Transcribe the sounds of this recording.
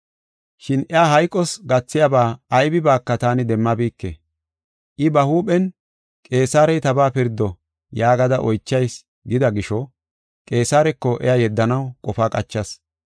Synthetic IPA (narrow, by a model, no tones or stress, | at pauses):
ʃɪnɛjaːɦɐjkʼːɔsɡɐt͡sːɪjabaːɐjbɪbaːkːɐt̪aːnɪd̪ɛmːɐbiːkːḛ | ʔɪbɐhuːɓɛn | kʼe̞ːsaːɾɛjt̪ɐbaːpɪɾd̪ːɔ | jaːɡɐd̪ɐʔɔjt͡ʃːɐjs | ɡɪd̪ɐɡɪʃɔ | kʼe̞ːsaːɾɛkːɔʔɛ̰jajɛd̪ːɐnɐwkʼɔfaːkʼɐt͡ʃːɐs